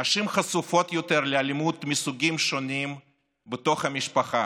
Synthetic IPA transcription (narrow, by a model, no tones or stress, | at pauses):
aʃimχasufo̞t̪jot̪eɾlealimut̪mʲisuɡʲimʃonʲim | bet̪o̞χɐmʲiʃpɐχa